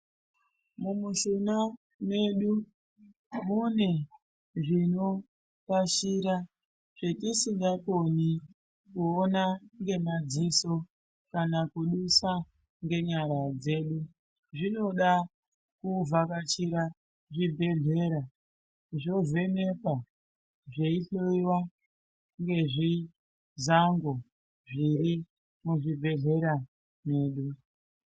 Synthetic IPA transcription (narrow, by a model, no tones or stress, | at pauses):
mumuʃuna | ne̞ɗu | mune | ʐino̞ | kaʃiɾa | ʐ̥etisiŋɡakoni | kuonaŋɡe̞mad͡ziso̞ | kanakuɗusa | ŋɡe̞ɲaɾad͡ze̞ːɗu | ʐino̞ɗa | kuvakat͡ʃiɾa | ʐibʱe̞ɮe̞ɾa | ʐo̞ze̞ne̞pa | ʐeiɬoiwa | ŋɡe̞ʐi | zaŋɡo̞ | ʐiɾi | muʐibʱe̞ɮe̞ɾa | ne̞ːɗu